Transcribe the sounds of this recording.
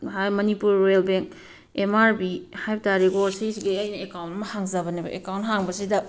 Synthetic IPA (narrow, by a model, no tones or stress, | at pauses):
hajmɐnipuɾːelbeŋk | emaɾbihajbɐtaɾiɡoɾsisɡiɐjnɐekawntɐmɐhaŋzɐbɐnibɐ̰ʔḛkawntɦaŋbɐsidɐ